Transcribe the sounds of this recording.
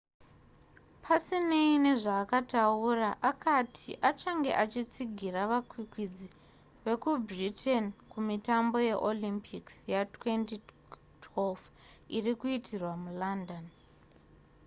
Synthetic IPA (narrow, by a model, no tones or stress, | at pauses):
pʰasine̞ine̞ʐaːkatauraʔakatʰiʔat͡ʃaŋɡe̞̰ʔat͡ʃit͡siɡʱiraʋakwikwid͡zi | ʋe̞kubritʰenkumitambo̞je̞ʔolimpʰiksjatwe̞nti | tʰwelf | irikuitʰirwamulandon